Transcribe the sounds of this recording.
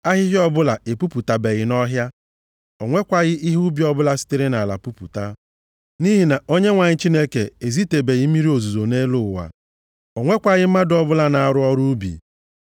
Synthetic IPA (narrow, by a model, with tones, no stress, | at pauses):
a˦ɦɪ˦ɦɪ˦ɔ˦bʊ˦la˨e˨pu˦pu˨ta˨be˨ɣɪ˨˦nɔ˦ɦja˦ | ɔ˨ŋʷe˦kʷa˨ɣɪ˦i˦ɦu˦bi˨˦ɔ˦bʊ˦la˨si̥˦te˦ɾe˦na˨la̰˨pu˦pṵ˨ta˦ | ni˦ɦi˨na˨o˦ɲe˦ŋʷa˨ɲɪ˦t͡ʃi˦ne˦ke˨e˨zi˦te˨be˨ɣɪ˦mi˦ɾi˦o˨zu˨zo˨ne˦lʊ˦˨wa̰˨ | o˨ŋʷe˦kʷa˨ɣɪ˦m̩˦ma˦dʊ˨ɔ˨bʊ˦la˦na˨a˨ɾʊ˦ɔ˦ɾu˦u˦bḭ˨